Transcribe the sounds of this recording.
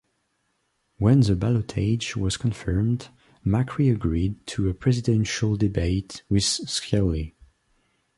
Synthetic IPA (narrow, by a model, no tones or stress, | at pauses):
wɛ̃nðəbalətʰeɪd͡ʒwʌz̥kʰə̃nfɜ˞md | mækʰɹiəɡɹid̚tʰəəpʰɹ̥ɛzɪdɛ̃nʃəlˠdɪbeɪtwɪð̥skʰɛli